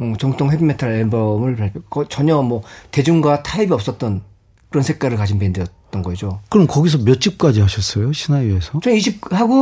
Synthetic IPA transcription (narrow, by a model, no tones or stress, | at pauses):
ɯt͡ɕʌŋt͈ʰoŋɦebimetʰaɭenbʌmɯɭpaɭkʰkʌt͡ɕʌɲʌmwʌte̞d͡ʑuŋɡwatʰaibiʌp̚s͈ʌt̚t͈ʌn | kɯɾʌnsʰe̞k͈aɾɯɭkad͡ʑinpendejʌt̚t͈ʌnɡʌid͡ʑokɯɾʌmkʌɡis̬ʰʌmjʌt͡ɕ͈ip̚k͈ad͡ʑiɦaɕʰʌs͈ʌjoɕʰinaɥe̞sʰʌt͡ɕʌniɕʰip̚haɡo